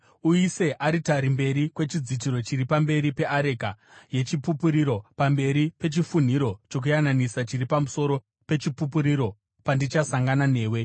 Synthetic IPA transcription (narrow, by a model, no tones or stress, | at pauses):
uise̞ʔaɾitaɾimbe̞ɾikwe̞t͡ʃid͡zit̬iɾo̞t͡ʃiɾipambe̞ɾipe̞ʔaɾe̞ka | je̞t͡ʃipupuɾiɾo̞pambe̞ɾipe̞t͡ʃifun̤iɾo̞t͡ʃo̞k̬ujananisat͡ʃiripamuso̞ɾo̞ | pe̞t͡ʃipupuɾiɾo̞ | pandit͡ʃasaŋɡanane̞ːwe̞